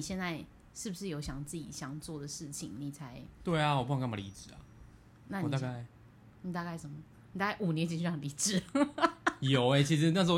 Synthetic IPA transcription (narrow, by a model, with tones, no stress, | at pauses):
i˨˩ɕjɛ˥˧nt͡sa˥˧ɪ | ʂɻ̩˥˩bu˩ʂɻ̩˥˩jo˧˥ʊɕjɑ˨˩ŋt͡sɹ̩˥˩t͡ɕḭ˨˩ɕjɑ˨˩ŋt͡swɔ˥˩d̪ə˩ʂɻ̩˥˩t͡ɕʰi˨ŋni˨˩t͡sʰa˧˥ɪt̪we˥˩ɪa˨wɔ˨˩pu˥˩˧ŋkmba˥˧li˧˥ʈ͡ʂɻ̩˨˩ɐ̰˨ | na˥˩n˨i˨t̪a˥˧ka˥˩ɪ | ni˨˩t̪a˥˧ka˥˩ɪʂə˨˩mə˩ | ni˨˩t̪a˥˧ka˥˩ɪʔu˨˩njɛ˧˦nt͡ɕi˧˥nɕy˥˩ɑ˥˨˩ŋli˧˥ʈ͡ʂɻ̩˨˩ | jo˨˩˦ʊe˧ɪt͡ɕʰi˧˥ʂɻ̩˧na˥˩ʂo˧˥o˧